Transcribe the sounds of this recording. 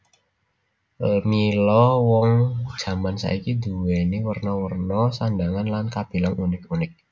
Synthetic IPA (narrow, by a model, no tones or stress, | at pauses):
milɔwɔŋ̥ʒ̥ä̤mansa̰ikid̪ṳweniwərnɔwərnɔsandaŋanlankab̥e̤laŋunɪkunɪk̚